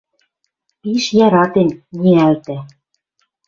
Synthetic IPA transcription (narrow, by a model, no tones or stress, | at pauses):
piʃjɑɾɑt̪enʲniælt̪æ